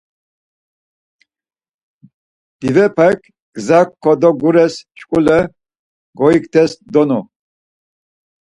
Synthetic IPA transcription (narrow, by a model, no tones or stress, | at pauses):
d̪̥ivɛpʰakʰ | ɡ̥zakʰːɔd̪ɔɡuɾɛst͡ʃʰʼkʼulɛ | ɡɔikt̪ʰɛsd̪ɔnɔ